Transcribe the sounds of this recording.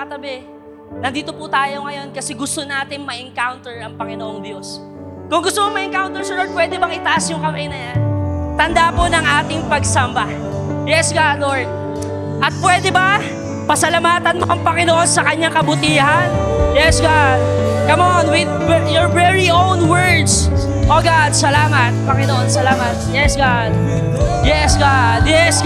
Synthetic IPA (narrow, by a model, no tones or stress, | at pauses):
ɐt̪ɐbɛ | nɐnd̪iːt̪o̞pʊt̪aːjo̞ŋɐjo̞nkɐsɛɡʊst̪onaːt̪ɪŋmɐʔɪŋkawnt̪ɛɹɐŋpɐŋɪnoʔo̞ŋb̪ɪjos | kʊŋɡʊst̪omoŋmɐʔɪŋkawnt̪ɛɹsɛloɹ̚pwɛːd̪ɛbɐŋɪt̪ɐʔasjʊŋkɐmʔɛjnɐjant̪ɐnd̪aːponɐŋʔaːt̪ɪŋpɐɡsɐmba | jɛsɡad̪oɹd̪̚ | ʔɐt̪̚pwɛːd̪ɛba | pɐsɐlɐmaːt̪ɐnmoʔɐŋpɐŋɪnoʔo̞nsɐkɐɲːaŋkɐbʊt̪iːhɐnjɛsɡad̪kɐmonwɪd̪jɔɹvɛɹiʔownwɛɹd̪s | ʔoːɡad̪̚sɐlaːmɐt̪̚pɐŋɪnoʔo̞nsɐlaːmɐt̪̚jɛsɡa | d̪̚ | jɛsɡad̪jɛs